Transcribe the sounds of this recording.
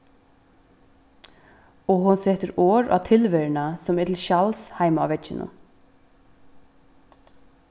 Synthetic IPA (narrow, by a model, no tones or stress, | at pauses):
ɔɦʊnsɛːt̪əɾɔːɾʔa̰t̪ʰɪlʋɛɹnasɔmɛt̪ʰɪlʃalshajmaa̰wʋɛt͡ʃːɪnʊ̰